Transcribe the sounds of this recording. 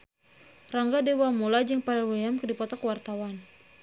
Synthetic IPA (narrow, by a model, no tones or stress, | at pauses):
raŋɡadewamolad͡ʒəŋpaɾawliamkədipɔt̪ɔkəwart̪awan